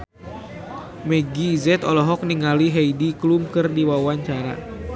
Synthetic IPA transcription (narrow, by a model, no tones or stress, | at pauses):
mɛɡiːzɛt̪ɔlɔɦɔk̚niŋaliɦɛidiklumkɨrdiwawaɲt͡ʃaɾa̰